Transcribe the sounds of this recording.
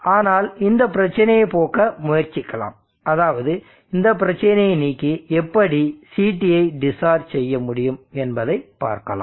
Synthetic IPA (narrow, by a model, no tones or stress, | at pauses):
aːnaːlɪnd̪ɐpːɪɾɐt͡ʃːɐnɐjɐɪpoːkɐmʊjɐɾt͡ʃɪkːɐla̰ːm | ɐðaːʋɐðɯ | ɪnd̪ɐp̬ːɪɾɐt͡ʃːɐnɐjɐɪniːkːiɛpːɐɽisiːʈːɪjɐɪɖɪsaːɾsɛjːɐmʊɽɪjɯmɛnbɐðɐɪpːa̰ːɾkɐla̰ː